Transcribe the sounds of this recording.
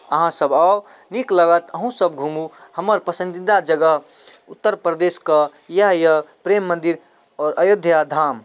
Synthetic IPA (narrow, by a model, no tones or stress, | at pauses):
əɦãsəbao | nikləɡət̪əɦũsəbɡʱũmuhəməɾpəsə̃nd̪id̪ad͡ʒəɡəɦ | ut̪ːəɾpɾəd̪eskə | jaɦjəpɾemːənd̪iɾ | ɔːɾəjod̪ʱjad̪ʱaːm